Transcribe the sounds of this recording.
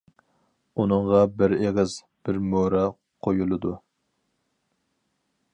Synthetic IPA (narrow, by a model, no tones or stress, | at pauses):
unɨɴʁɑbɪɾeʁɪz | b̥ɪɾmoɾɛ | qʰojulˠɨd̪u